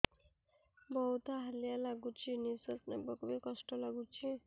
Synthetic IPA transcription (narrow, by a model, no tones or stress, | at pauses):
bɔut̪aɦəlijalaɡut͡ʃʰinisət̪nabɔkbekɔsʈɔlaɡut͡ʃʰi